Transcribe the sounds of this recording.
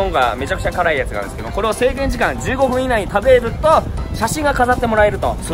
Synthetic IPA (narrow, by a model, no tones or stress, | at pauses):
õŋɡame̞t͡ɕakɯ̟̥t͡ɕakaɾaijat͡sɨɡa̰ɾɯ̃d̪esɨ̥keoko̞ɾe̞ase̞ːɡẽ̞ɲ̟d͡ʑikãɲd͡ʑɨːɡo̞ɸɯ̃inaiɲit̪abe̞ɾɯ̟t̪o̞ɕaɕĩŋɡakazat̪ːe̞mo̞ɾae̞ɾɯ̟t̪o̞̰so